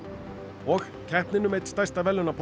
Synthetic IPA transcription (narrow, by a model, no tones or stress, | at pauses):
ɔɣ | kʰɛhpnɪnʏmejt̪st̪ajst̪avɛlːʏnapʰ